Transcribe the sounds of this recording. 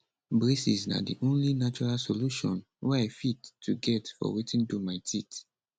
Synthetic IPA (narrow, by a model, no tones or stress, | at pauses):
bɹesisna̰dḭʔõnlinat͡ʃɔɹalsoluʃɔ̃n | wɛaɪfitʰːuɡɛtfɔ̰witĩndumaɪtʰit